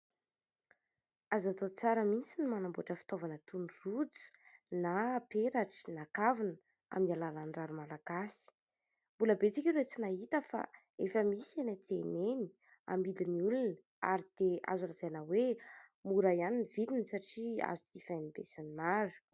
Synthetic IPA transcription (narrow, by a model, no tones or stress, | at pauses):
azat̪ot͡saɾəmit͡sinimanambuaʈ͡ʂəfi̥t̪ovanət̪unrud͡zu̥napeɾaʈ͡ʂi̥nakavinə | a̰minalalanraɾumalaɡasi̥ | mbuləbet͡sikʲiɾet͡sinaɦit̪əfa̰ | efəmisenat̪eneni̥ | a̰mbiliniulun | a̰ɾid̪̥ea̰zulazanawemuɾajaninivilinsaʈ͡ʂia̰zut̪ifanibḛsanimaɾu̥